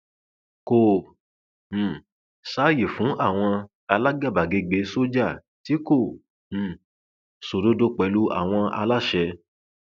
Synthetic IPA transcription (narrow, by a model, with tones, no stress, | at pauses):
ko˨ | saː˨˦je˨fũ˨˦ʔa˦˨w̃ɔ̃˧ | a˧la˦ɡa˦˨ba˨ɡe˧ɡ͡be˨˦so˦d͡ʒa˦˨ | ti˨˦kõ˦˨ | so˨do˦do˦k͡pɛ˨˧˦lu˦a̰˦˨w̃ɔ̃˧a̰˧la˦ʃɛ˧